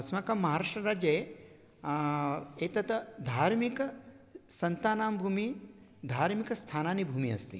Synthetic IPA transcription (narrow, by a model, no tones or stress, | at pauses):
ɐsmɐkɐmːɐɦaːɾaːʂʈɾɐɾaːd͡ʒe | eːt̪ɐt̪d̪ʱaːɾmikɐ | sɐnt̪aːnaːmbʱuːmi | d̪ʱaːɾmikɐst̪ʰaːnaːnibʱuːmiɐ̰st̪ḭ